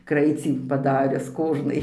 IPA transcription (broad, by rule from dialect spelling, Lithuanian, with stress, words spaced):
ˈkrɐɪt͡sʲiː pɐˈdɑːrʲʊs ˈkoːʒnɐɪ